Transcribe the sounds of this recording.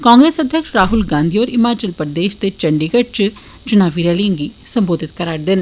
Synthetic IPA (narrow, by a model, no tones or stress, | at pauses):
kãːŋɡɾeːsɐd̪ʱjəkʃɾaːɦʊlɡãːnd̪ʱioːɾɪmaːt͡ʃəlpɾd̪eːʃt̪et͡ʃɐɳɖiɡəʈ̚t͡ʃ | t͡ʃʊnaːʋiɾɛːliãŋɡisɐ̃mboːd̪ʱɪt̪̚kɐɾaːʈd̪ɪn